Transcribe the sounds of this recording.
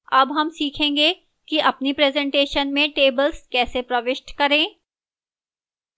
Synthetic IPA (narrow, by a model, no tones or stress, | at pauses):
ɐbɦɐmsiːkʰẽːŋɡe | kiʔɐpnipɾeːzɛ̃ɳʈeːʃənmẽʈeːbəlskɛːsepɾɐʋɪʃʈkɐɾẽː